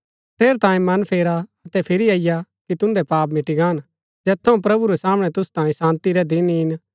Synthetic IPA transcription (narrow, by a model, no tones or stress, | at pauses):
pʰeːɾt̪ãːĩmɐnpʰeːɾaɐt̪ɛpʰɪɾiaːɪjakit̪ʊ̃nd̪ɛpaːp̬mɪʈiɡaːn | d͡ʒɛːt̪ʰːɐũpɾɐbuɾɛsaːmɽ̃ɛt̪ʊst̪ãːĩsãːnt̪iɾɛd̪ɪnɦɪn